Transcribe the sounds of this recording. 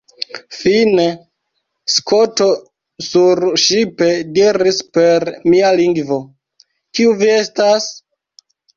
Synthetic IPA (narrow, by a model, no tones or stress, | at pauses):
fine | skʰoto̞ | suɾʃipe̞diɾispe̞ɾmialiŋɡvo̞ | kiuvie̞stas